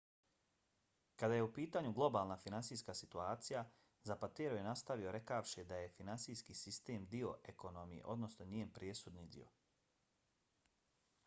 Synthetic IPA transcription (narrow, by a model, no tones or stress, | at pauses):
kad̪ajeupiːt̪aːɲuɡlˠo̞baːlˠnafinansiːskasit̪uaːt̪sija | zapat̪eːɾojenast̪aʋio̞ɾekaʋʃid̪ajefinansiːskisist̪eːmd̪io̞eko̞no̞mijḛʔo̞d̪no̞snoɲiːenpɾjesud̪nid̪ḭo̰